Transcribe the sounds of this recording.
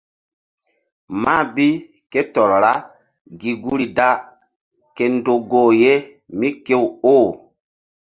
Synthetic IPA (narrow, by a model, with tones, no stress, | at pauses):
ma˦˨bi˦ | ke˦tɔ˨ɾɔ˨ɾa˦ | ɡi˨ɡu˦ɾi˨da˦ | ke˨ndo˨ɡoː˦˨je˦ | mi˦ke˦woː˦˨